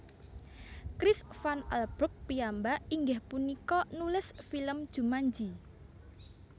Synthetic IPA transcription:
kɾisfana̰lb̥ɾʊk̚piambaiŋɡɪhpunikɔnulɪsfiləmd̥ʒ̥ṳmaɲd͡ʒi

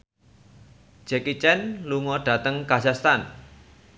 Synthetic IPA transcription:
d͡ʒ̥ɛkit͡ʃɛnluŋɔɖ̥ä̤t̪əŋkazast̪an

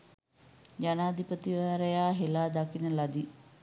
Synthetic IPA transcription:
d͡ʒanaːd̪ipət̪iʋaːɾəjaːɦelaːd̪akinəlad̪i

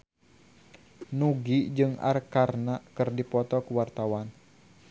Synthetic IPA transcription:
nuɡid͡ʒɨŋa̰rkarnakɨrdipɔt̪ɔkuwart̪awan

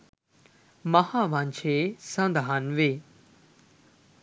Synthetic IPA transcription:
mɐhãːʋãnt͡ʃʰesə̃nd̪ʱaːnʋeː

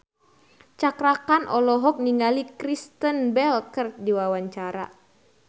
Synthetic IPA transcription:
t͡ʃakɾakanʔɔlɔɦɔk̚niŋalikɾist̪ənbɛlkərt̪̚diwawaɲt͡ʃaɾa̰

